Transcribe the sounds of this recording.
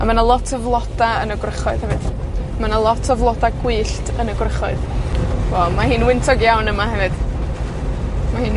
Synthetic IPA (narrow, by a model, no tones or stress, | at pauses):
a̰manalˠɔtʰəvlˠɔd̥aənəɡrəχɔɨð̥hɛvɨd̥ | manalˠɔtʰəvlˠɔdaɡwɨːɬtʰənəɡrəχɔɨðwɔmahɨːnwɪntʰɔɡjawnəmaɦɛvɨd̥ | mahɨːn